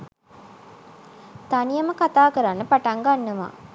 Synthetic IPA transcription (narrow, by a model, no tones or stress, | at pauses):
t̪anijəməkat̪aːkəɾanːəpaʈaŋɡanːəʋa̰ː